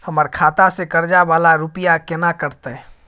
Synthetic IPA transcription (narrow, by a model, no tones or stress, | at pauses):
həməɾkʰaːt̪asekəɾd͡ʒabaːlaɾʊpijakɪnakəɾt̪e